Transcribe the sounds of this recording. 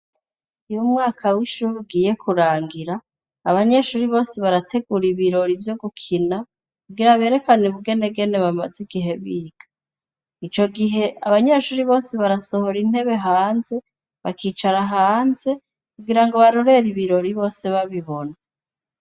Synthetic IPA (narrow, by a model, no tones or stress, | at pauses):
ujumŋaːkʰawiʃuɾuɡiːje̞kʰuɾaːŋɡiɾa | aβaɲe̞ʃuːɾiβo̞ːse̞βaɾatʰe̞ɡuɾiβiɾo̞ɾivjo̞ɡukʰina | kuɡiɾaβe̞ːɾe̞kaneβuɡe̞neɡe̞ne̞βamaziɡ̥iɦe̞βiːɡ̥ḁ | it͡ʃo̞ɡiɦe̞aβaɲe̞ʃuːɾiβo̞ːse̞βaɾaso̞ho̞ɾin̥he̞βe̞ɦaːnze̞ | βakiːt͡ʃaɾaɦaːnze̞ | kuɡiɾaŋɡo̞βaɾo̞ɾe̞ɾiβiɾo̞ɾiβo̞ːse̞βaβiβo̞na